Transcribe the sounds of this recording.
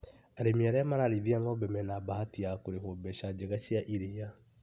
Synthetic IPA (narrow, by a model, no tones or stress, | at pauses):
aɾemiaɾɛamaɾaɾiðiaŋɔbɛmɛnabahatiakoɾehobɛʃad͡ʑeɣaʃiaʔiɾea